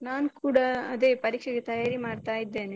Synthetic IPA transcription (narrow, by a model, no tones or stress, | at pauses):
naːnkuːɽɐɐðepɐɾiːkʂɐkːɛt̪ɐjaːɾimaːɽt̪ːaːjɪt̪ːeːne